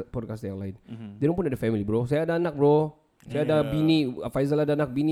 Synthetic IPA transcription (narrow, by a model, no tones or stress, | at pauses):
pɔd̚kast̪jaŋlaɪndɛnɔŋpunadəfɛmilibəɾosajaːdaːnak̚bɾo | sajaːdabinifajzəladaːnak̚bini